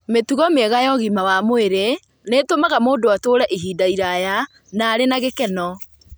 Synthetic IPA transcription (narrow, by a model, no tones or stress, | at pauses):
metuɣɔmeɛɣajɔɣimawamoeɾe | netomaɣamoːdoatoːɾɛʔiɦiːdaiɾaja | naːɾenaɣekɛnɔ